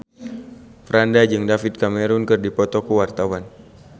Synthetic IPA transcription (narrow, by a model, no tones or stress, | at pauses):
fɾandad͡ʒɨŋdafit̪̚kamɛɾunkɨrdipɔt̪ɔkuwart̪awan